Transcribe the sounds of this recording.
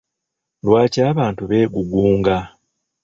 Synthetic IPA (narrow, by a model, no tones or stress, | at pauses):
lwaːcaːβaːntuβe̞ːɡuɡuːŋɡa